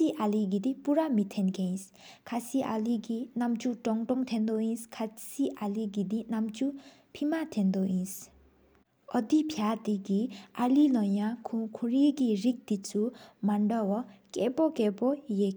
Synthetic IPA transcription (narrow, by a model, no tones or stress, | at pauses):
siʔaliɡid̪ipuɾamit̪ʰenkej̃s | kʰasiʔa̰liɡinamt͡suʈɔŋʈɔŋt̪ʰend̪ɔĩskʰasiʔaliɡid̪inamt͡su | pʰimat̪ʰend̪oĩs | ʌd̪ipʰjat̪iɡialilʌjãkʰukʰuɾiɡiɾik̚d̪it͡sumaɳɖɔwɔkḛpɔkepɔjek